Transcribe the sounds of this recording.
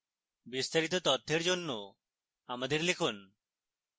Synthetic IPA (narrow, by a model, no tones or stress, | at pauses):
bist̪aɾit̪̬ot̪ɔt̪ʰːeɾd͡ʑonːo | amad̪eɾlekʰun